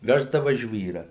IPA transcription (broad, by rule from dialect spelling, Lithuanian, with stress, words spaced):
ˈʋʲæːʒdɐʋɐ ˈʒʲʋʲiːrɑː